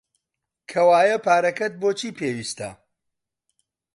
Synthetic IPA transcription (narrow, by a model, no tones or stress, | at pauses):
kʰɐwaːjɐpaːɾɐkɐt̪̚boːt͡ʃʰiːpʰeːwiːst̪ɐ̰